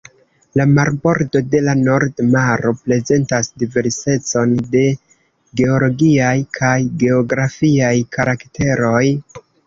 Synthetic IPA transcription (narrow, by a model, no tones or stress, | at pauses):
lamaɾbo̞ɾdo̞de̞lano̞ɾdmaɾo̞pɾe̞ze̞ntasdive̞ɾse̞t͡so̞nde̞ | ɡe̞o̞lo̞ɡiajkʰajɡe̞o̞ɡɾafiajkaɾakte̞ɾo̞j